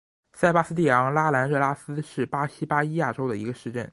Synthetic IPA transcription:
sa˥˧ɪpa˥s̩˥t̪i˥˩jɑ˧˥ŋla˥la˧˥nɻɤ˥˧˩la˥sɹ̩˥ʂɻ̩˥˩pa˥ɕi˥pa˥i˥ja˥˩ʈ͡ʂo˥ʊd̪ə˨i˧˥ɡə˧ʂɻ̩˥˧ʈ͡ʂə̰˥˩n

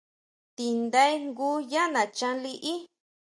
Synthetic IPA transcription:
t̪i˨nd̪a˦i˦ŋɡu˦ja˦nã˨t͡ʃã˧li˧ʔi˦

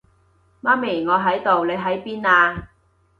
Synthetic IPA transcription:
maː˥mi˨˩ŋɔː˨˧ɦɐ˨˥jt̪o˨wle˨˧jɦɐ˨˥jpiː˥naː˧

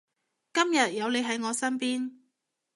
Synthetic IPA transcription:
kɐ˥mjɐ˨t̚jɐ˨˧wle˨˧jɦɐ˨˥jŋɔː˨˧sɐ˥npiː˥n

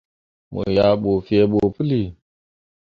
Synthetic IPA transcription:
mo̰˨ja˨ɓo˨fe˨ɓo˨pu˦li˦˨

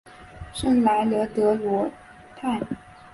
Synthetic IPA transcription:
ʂə˥˩nla˧˥ɪlɤ˧˥t̪ɤ˧˥lwɔ˧˥ | t̪ʰa˥˩

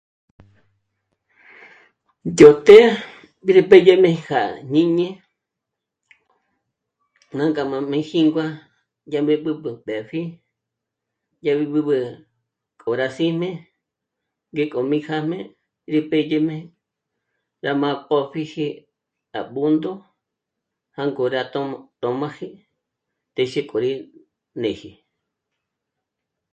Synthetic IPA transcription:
jo˨t̪e˦ | bi˦ɾe˧pe˦je˦mẽ˧xa̰˨ɲ̥ĩ˦ɲẽ˦ | nã˦ŋkʼa˨mã˧mẽ˧˦xi˦ŋɡwa˦ | ja˧mẽ˧˦ɓɨ˧ɓɨ˨ɓɛ˨ɸi˦ | ja˧βi˧ɓɨ˧ɓɨ˧ | kʼo˨ɾa˧si˦mẽ˦ | ŋɡe˦kʼo˨mĩ˧xa˦mẽ˦ | ɾi˧pe˦je˦mẽ˦ | ɾa˧mã˧po˦ɸi˦hi˧ | a̰˨ɓu˦nd̪o˦ | ha˦ŋɡo˨ɾa˧t̪o˧t̪o˨mã˦hi˦ | t̪e˧ʃe˦kʼo˨ɾi˧ | nẽ˨hi˨

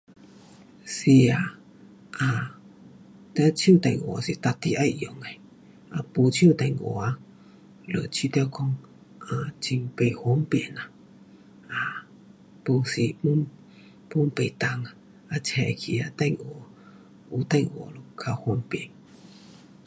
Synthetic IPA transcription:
si˧a˧˨ | a˧ | t̪e˧t͡ʃu˦˨t̪a˧ŋo˨a˧si˧t̪a˧t̪i˧ʔa˧jʔjo˨ŋa˨ | a˧pu˧t͡ʃi˦u˦˧˨t̪a˧ŋo̰˨a˧ | lə̰˧˨t͡ʃi˧˦t̪e˧kʰɔ˧ŋ | a˧˨t͡ʃi˧ŋpe˧jho˧˦mpe˧˨na˨ | a˨ | pu˧si˧pu˦ | pu˦mpe˧˨t̪a˧ŋa˧ | a˧t͡ʃɛ˧˨kʰi˧a˧t̪ã˧˨ŋo˨ | u˧t̪ã˧ŋo˧˨˧lo˧kʰa˧ho˧mpe˧˨ŋ

